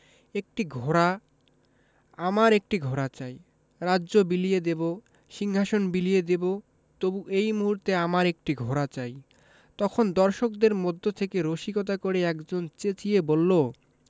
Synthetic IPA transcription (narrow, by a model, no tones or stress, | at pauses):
ek̚ʈiɡʱɔɾa | amaɾek̚ʈiɡʱɔɾat͡ɕaj | ɾaːʑobilijed̪ebo | ʃiŋɦaʃonbilijed̪ebo | t̪obuʔejmuɦuɾt̪eamaɾek̚ʈiɡʱɔɾat͡ɕaj | t̪ɔkʰond̪ɔɾʃok̚d̪eɾmod̪ʱːot̪ʰekeɾoʃikot̪̬akoɾeɛkd͡ʑont͡ɕet͡ɕiebolːo